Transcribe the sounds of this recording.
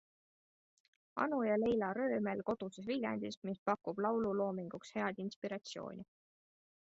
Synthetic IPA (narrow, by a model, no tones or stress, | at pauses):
ɑ̰nujɑle̞jlɑɾø̞ːme̞lko̞d̪̥usesvilʲjɑ̰nd̪̥ismispɑkːub̥lɑwlulo̞ːmiŋɡ̥ukshe̞ɑd̪̥inspiɾɑt̪sijo̞̰ːnʲi